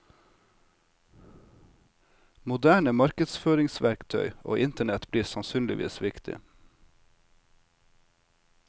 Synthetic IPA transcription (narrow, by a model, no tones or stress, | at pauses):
mʊd̪æːɳəmɑɾkəd̪sføːɾɪŋsʋæɾkt̪ʰœ̰ʏo̰ːʔɪnt̪əɳɛt̪bliːsɑnsyːnlɪ̰ʋʔḭːsʋɪkt̪ʰɪ̰